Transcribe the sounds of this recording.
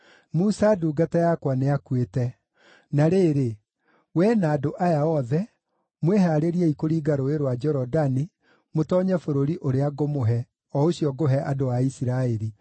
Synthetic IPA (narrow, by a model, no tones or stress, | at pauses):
musaduːɡatajakwaneakwetɛ | naɾeːɾe | wɛnaːdoʔajaɔðɛ | mweɦaɾeɾiɛikoɾiːɡaɾoeɾwad͡ʒɛɾɔdani | motɔɲɛfoɾoɾiʔoɾeaɡomoɦɛ | ɔoɕjɔɡoɦɛʔadoaisiɾaɛɾi